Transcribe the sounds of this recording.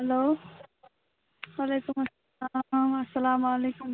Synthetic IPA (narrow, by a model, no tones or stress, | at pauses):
ɦɐloː | walekumɐsːɐlamɐsːɐlaːmalekum